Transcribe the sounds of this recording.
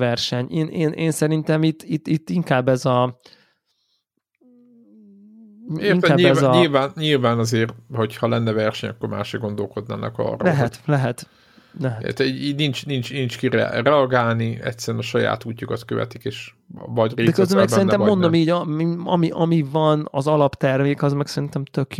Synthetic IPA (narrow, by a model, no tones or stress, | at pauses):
vɛrʃɛɲeːnʔeːnʔeːnsɛɾint̪ɛmit̪ːit̪ːit̪ːiŋkaːbːɛzɒ | eiŋkɛaːɲiɛzzɲilvaːnɲilvaːnɒzeːrt̪ho̞chɒlɛnːɛvɛrʃɛɲɒ̰kːorma̰ːʃɛɡo̞nd̪o̞lko̞d̪na̰ːnʔɛ̰kɒ̰rlɛɦt̪lɛɦɛt̪ | lɛɦɛḛt̪ɛiɟiːɟnint͡ʃnint͡ʃnint͡ʃkiɾɛ̰rɛɒɡaːlniɛ̰tsɛɾɛnɒʃɒja̰ːt̪uːcːukɒt̪køvɛ̰t̪ikeːʃ | vɒɟreːd̪ɛkøzd̪ɛmɛksɛɾinɛmmːo̞nd̪omiːɟɒiɒmiʔɒmivɒnɒzɒlɒpt̪ɛrmeːkɒzmɛksɛɾint̪ɛmt̪økj